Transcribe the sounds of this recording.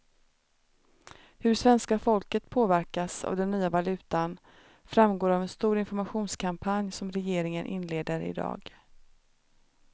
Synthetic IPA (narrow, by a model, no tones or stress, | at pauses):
hɵʂvɛnskafɔlkət̪pʰoːvæɾkasa̰vd̪ɛnːyːavalʉ̟ːt̪an | fɾamɡoːɾavɛnst̪uːɾɪnfɔɾmaɧuːnskʰampʰanjsɔmɾɛjeːɾɪŋənʔɪ̰nleːd̪əɾɪ̰d̪ɑ̰ːɡ